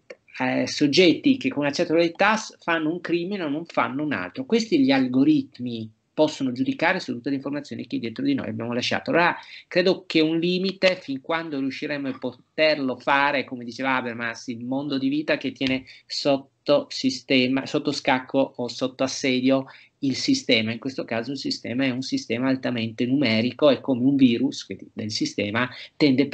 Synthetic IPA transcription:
sod͡ʒːɛt̪ːikekːonunat͡ʃːɛt̪ːold̪et̪asfanːouŋkɾimineonːoɱfa̰nːouna̰lt̪ɾokwest̪iʎialɡoɾit̪mi | pɔsːonod͡ʒud̪ikaːɾesut̪ːut̪ːeleiɱformat̪sjoːniked̪ːjɛt̪ɾod̪ino̰ja̰bja̰ːmolaʃːa̰ːt̪oa̰lːoːɾakɾeːd̪okeunliːmit̪efiŋkwand̪oɾiuʃːiɾɛmːoepːot̪erlofaːɾekomed̪it͡ʃeːvaabermansilmond̪od̪iviːt̪aket̪ːjɛːnesot̪ːosist̪ɛːmasot̪ːoskakʰːoʔːsot̪ːoasːɛːd̪jo | ilsist̪ɛːmaiŋkwest̪okaːzoilsist̪ɛ̰ːmaɛunsist̪ɛːmaːlt̪ament̪enumɛːɾikoekːomeuɱviːɾusked̪elsist̪ɛːmat̪ɛnd̪e

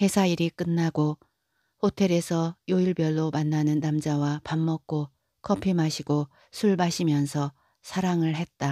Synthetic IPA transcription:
he̞sʰaiɾik͈ɯnːaɡo | hotʰe̞ɾe̞sʰʌjoiɭbjʌɭːomanːanɯnːamd͡ʑawapamːʌk̚k͈o | k͈ʰʌpʰimaɕʰiɡo | sʰuɭbaɕʰimjʌnsʰʌ | sʰaɾaŋɯɭɦe̞t̚t͈a

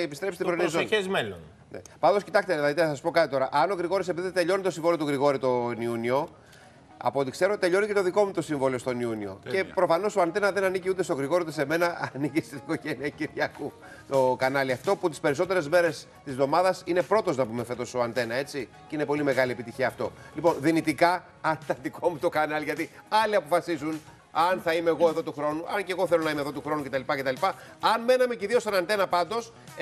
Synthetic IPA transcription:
pist̪ɾe̞pst̪ibɾonizoezmelon | nḛpɐnd̪oscit̪ɐkst̪eðilɐðit̪enɐs̬ɐsupo̞kɐt̪it̪o̞ɾɐʔɐno̞ɣɾiɣo̞ɾisepiðit̪e̞ʎo̞nit̪osiɱvoliot̪uɣɾiɣo̞ɾit̪o̞niunio̞ | ɐ̰pot̪ikse̞ɾot̪e̞ʎo̞nicet̪o̞ðiko̞mut̪o̞siɱvo̞lio̞st̪o̞niunio̞̰ce̞pɾo̞fɐno̞soɐnθe̞nɐðe̞nɐniciut̪est̪oɣɾiɣoɾiut̪ese̞me̞nɐɐniciset̪iiko̞ʝeniɐciɾʝɐku | t̪o̞kɐnɐliɐft̪o̞put̪i̥spe̞ɾiso̞t̪e̞ɾe̞zme̞ɾe̞s | t̪izvðo̞mɐðɐsine̞pɾo̞t̪o̞znɐpumefe̞t̪o̞soɐnt̪e̞nɐe̞t͡si | cine̞po̞lime̞ɣɐliepit̪içiɐːft̪o̞lipo̞nðinit̪ikɐ | ɐnt̪ɐnd̪iko̞mut̪o̞kɐnɐlʝɐt̪i | ɐliɐpo̞fɐsizun | ɐnθɐimeːɣo̞eðo̞t̪uxɾo̞nuɐnce̞ɣo̞θelo̞nɐimeðo̞t̪uxɾo̞nuce̞t̪ɐlipɐce̞t̪ɐlipɐɐnme̞nɐme̞ciðiost̪onɐnt̪e̞nɐpɐnd̪o̞s

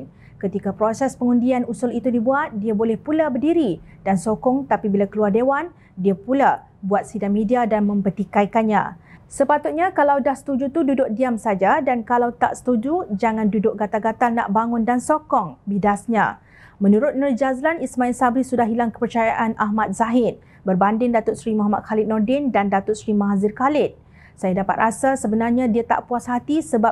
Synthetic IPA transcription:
kət̪ikapɾosɛspəŋundianusʊlit̪udibuat̪̚diabolɛhpulabərdiɾi | d̥ansokɔŋt̪apibilakəluardewan | diapula | buat̪̚sidamːĩdiadanmə̃mbərt̪ikaikanɲã̰səpat̪ʊt̪̚ɲakalawdahsə̥t̪ud͡ʒut̪ududʊk̚diamsad͡ʒadankalawt̪a̰ʔsə̥t̪ud͡ʒud͡ʒaŋãndudʊk̚ɡat̪aɡat̪arna̰ʔbaŋʊndansɔkɔŋbidasɲã̰ | mə̃nuɾʊt̪̚nərd͡ʒazlanismãɪnsabɾisudahɦilaŋkə̥pərt͡ʃajaʔanaɦmat̪̚z̥aɦɪt̪̚ | bərbandɪŋdat̪ʊt̪̚sɾimuɦamat̪̚xalɪt̪̚nɔrdɪndandat̪ʊt̪̚sɾimaɦazɪrkalɪt̪̚ | sajadapa̰t̪̚rasasəbənarɲãdiat̪a̰ʔpuasɦat̪isəba

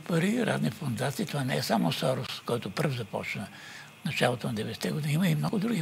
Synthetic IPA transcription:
pɐɾiɾa̰d̪nifond̪at̪siːt̪ovanɛɛsamosɔɾʊskɔjt̪ʊpəɾfzɐpɔ̰t͡ʃnə | nɐt͡ʃalˠot̪onɐd̪ɛvɛd̪sɛt̪ɛɡod̪iniiməimnɔɡʊd̪ɾuɡi

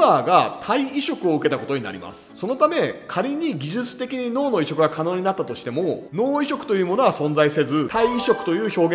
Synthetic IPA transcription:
aːɡat̪ʰaiiɕo̞kɯo̞ɯ̟ke̞t̪ako̞t̪oɲ̟ina̰ɾʲḭma̰sɨ̥so̞no̞t̪ame̞kʰaɾʲiɲ̟iɡʲiʑɨt͡sɨ̥t̪e̞kʲiɲ̟ino̞ːno̞iɕo̞kɯ̟ɡakʰano̞ːɲ̟inat̪ːat̪o̞ɕi̥t̪e̞mo̞no̞ːiɕo̞kɯ̟̥t̪o̞jɯːmo̞no̞ɡasõ̞nd͡zaise̞zɨt̪aiːɕo̞kɯ̥t̪o̞jɯ̟ːço̞ːɡẽ

